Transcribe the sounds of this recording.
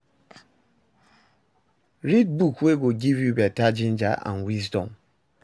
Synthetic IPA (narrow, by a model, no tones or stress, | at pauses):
ɾidbukweɡoɡivjubetad͡ʒɪn̩d͡ʒa̰ʔa̰nwizdɔ̰̃m